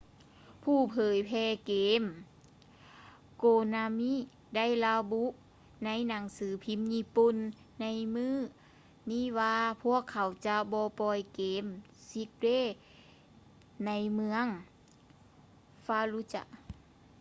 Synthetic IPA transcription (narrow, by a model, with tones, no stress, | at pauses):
pʰuː˧˩pʰɤː˨˦jpʰɛː˧keː˨˦m | koː˧˩na˧mi˧˥˨ | da˥˨jla˧bu˧˥ʔ | na˧˥jna˨˦ŋsɯː˨˦pʰi˧˥mɲi˧˥pu˧˥nː | a˧˥jmɯː˧˥˨ | niː˧˥˨waː˧pʰu˧˥˩əkʰːa˨˩˦wt͡ɕa˧bɔː˧˦pɔː˧jkeː˨˦m | si˧˦k̚deː˧˥˨ | na˧˥jmɯ˧əŋ | faː˧lu˧˥t͡ɕa̰˧ʔ